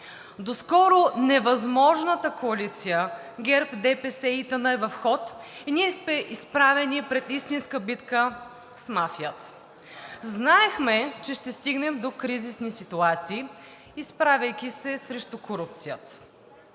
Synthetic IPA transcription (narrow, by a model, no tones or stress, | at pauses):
d̪oskɔɾʊnɛvɐzmɔʒnət̪əkoɐlit̪sijə | ɡɛɾpd̪ɛpɛsɛit̪ənəɛvɐfxɔt̪iniɛsmɛʔispɾavɛnipɾɛt̪ist̪inskəbit̪kə | smafijət̪ | znaɛxmɛt͡ʃɛʃt̪ɛst̪iɡnɛmd̪okɾizisnisit̪uat̪siː | spɾavɐjkʲisɛsɾɛʃt̪ʊkoɾup̚t̪sijət̪ə̥